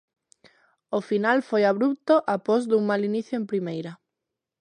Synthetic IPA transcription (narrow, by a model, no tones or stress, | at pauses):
ofinalfojaβ̞ɾup̚t̪oʔapozðuŋmaliniθjoẽmpɾimejɾɐ